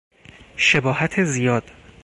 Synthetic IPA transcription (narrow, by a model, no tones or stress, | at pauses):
ʃebɒːhæt̪ʰezijɒːd̪̥